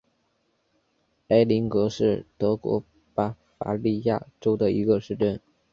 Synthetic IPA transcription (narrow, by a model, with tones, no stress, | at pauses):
a˧˥ɪli˧˥ŋkɤ˧˥ʂɻ̩˥˩t̪ɤ˧˥kwɔ̰˧˥ | pa˥fa̰˧˥li˥˧ja˥˩ʈ͡ʂo˥ʊd̪ə˨i˧˥ɡə˧ʂɻ̩˥˧ʈ͡ʂə˥˩n